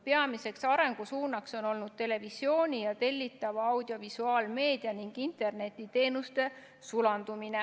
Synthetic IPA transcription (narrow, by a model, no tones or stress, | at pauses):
peɑmise̞ksɑɾe̞ŋɡ̥usuːnɑkso̞no̞lnud̪̥̚t̪e̞le̞visjo̞ːnʲijɑt̪e̞lʲːit̪ːˑɑvɑɑwd̪̥io̞visuɑːlme̞ːd̪̥iɑniŋɡ̥int̪ˑe̞rne̞t̪ːˑit̪e̞ːnust̪e̞ | sulɑnd̪umine